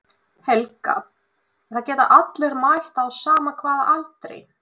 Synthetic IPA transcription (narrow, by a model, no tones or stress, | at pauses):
hɛlka̰ | ɛ̥θacɛːt̪a̰ʔat̪lɛɾmajht̪aðsaːmakʰvaːðaʔalt̪ɾḛj